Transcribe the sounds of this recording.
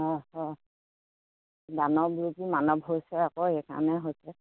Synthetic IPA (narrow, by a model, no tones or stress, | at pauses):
ɔɦɔ | danɔbuɹukimanɔbɦojsɛakoɛkʰa̰nɛɦojsɛ